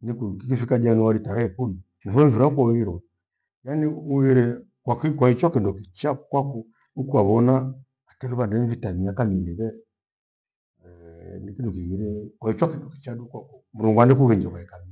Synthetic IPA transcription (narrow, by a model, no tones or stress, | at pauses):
nikukikifikad͡ʒaniwaɾitaɾaɛkuni | niɦɔvuɾaukwauiɾɔ | janiuɣiɾɛ | kwakikwait͡ʃɔkɛndɔkit͡ʃakwaku | ukuwaβɔna | akɛnduβandɛɱ̩vitamiakaminiβɛ | nikindɔkiɣiɾɛkwait͡ʃakindɔki̥t͡ʃaɗukwakum̩ɾuŋɡwandikuɣɛɲd͡ʒakwaɛkami